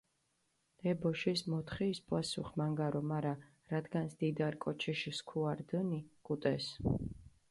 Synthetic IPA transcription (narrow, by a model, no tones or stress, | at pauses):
ɛbɔʃismɔt̪ʰχiːspʼwasṵχmaŋɡaɾɔmaɾa | ɾad̪ɡansd̪̥id̪aɾkʼɔt͡ʃʰiʃiskʰuaɾd̪ənikʼut̪ʼɛs